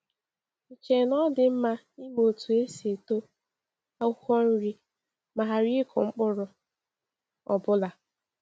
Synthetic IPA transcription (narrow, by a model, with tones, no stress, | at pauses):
i˨t͡ʃe˨nɔ˦dɪ˨m̩˦ma˦ | i˦m˦o˨tu˨e˦se˨to˦ | a˦u˦xɔ˦n̩˦ɾi˦ | ma˨ɦa˨ɾi˦ɪ˦kʰɔ̰˨ŋ͡m̩˦k͡pʊ˦ɾʊ˨ | ɔ̰˨bʊ˦la˨